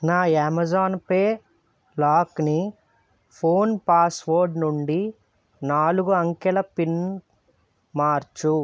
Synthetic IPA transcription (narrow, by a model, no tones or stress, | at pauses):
naːaːmɐd͡ʒaːnpeː | laːkni | pʰoːnpaːsʋoːɾɖnuɳɖi | naːluɡuɐŋkɛlɐpin | maːɾt͡ʃu